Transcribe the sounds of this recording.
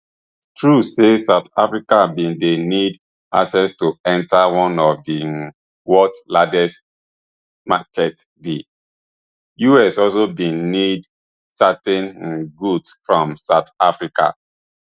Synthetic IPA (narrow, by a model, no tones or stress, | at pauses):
tʰɹusesaʊtafɹikabĩndenid | a̰sɛstoɛ̃ntawɔ̃nɔvdi | wɔtladɛs | makɛt | di | juɛsɔls̬obĩnnid | satɛ̃nɡudsfɹɔ̃msaʊtafɹikʰa̰